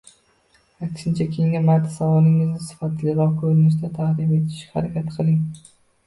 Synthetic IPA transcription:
akʲʃɪnt͡ʃʰakʲʰe̞ŋʲamaɾt̪ʰːḁsavɒlˠɪŋɪznɪsɪ̥fat̪ʰlɪɾɒkʰɵɾɪnɪʃ̬d̪at̪ʰahd̪ɪme̞t̪ʰɪ̥ʃʲha̰ɾakʲʰat̪qʰɨlˠɪŋ

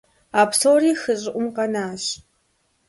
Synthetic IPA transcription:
aːpsoːriːxɨɕʼɪʔʷʊmqɐnaːɕ

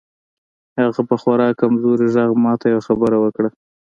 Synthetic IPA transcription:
haɣapəxwaɾɑkamzoɾiʒaɣmɑt̪ajawaxabəɾawəkɽa

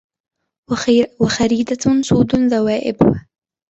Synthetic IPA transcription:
waxaɾiːd̪at̪ʰʊnsuːd̪ʊnzawaːʔɪ̰bwa

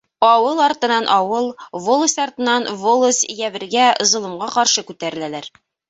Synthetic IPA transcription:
ɒwɤlˠɒɾt̪ɤ̆nɑnʔɒwɤlˠvolˠosʲɒɾt̪ɤ̆nɑnvolˠosjæbɘ̆ɾɡæŏzɤ̆lˠɤ̆mɢɑqɒɾʃɤkʉt̪æɾɘ̆lælæɾ

